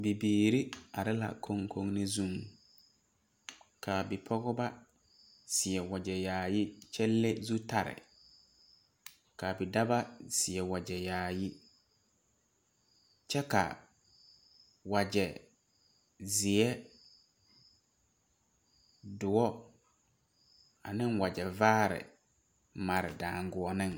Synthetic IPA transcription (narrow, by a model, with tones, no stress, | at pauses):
bi˨biː˨ɾi˦a˨ɾɪ˦la̰˨kʰo˦ŋkʰo˦ŋnɪ˦zũ˦˨ŋ | kʰa˨bɪ˨pʰɔ˦ɣɔ˦ba˦ | sɪ˨ɛ˨wa˨d͡ʒɛ˨jaː˨jɪ˦t͡ʃɛ˦lːe˦zu˦ta˨ɾɪ̰˨ | ka˨bɪ˨da˦ba˦sɪ˨ɛ˨wa˨d͡ʒɛ˨jaː˨jɪ˦ | t͡ʃʰɛ˦ka̰˨ | wa˨d͡ʒɛ˨ | zɪ˨ɛ˦ | dʊ˨ɔ˦ | a˨nɪ̃˦nwa˨d͡ʒɛ˨vaː˦ɾɪ̰˨ | ma˨ɾɪ̰˨dãː˨ŋɡʊ˨ɔ˨nɪ̃˦ŋ